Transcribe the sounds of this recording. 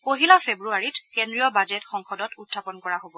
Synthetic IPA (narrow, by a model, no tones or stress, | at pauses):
koɦilapʰebɹuaɹitkɛndɹijɔbad͡ʒɛtxɔŋxɔdɔtutʰːapɔnkɔɹaɦobɔ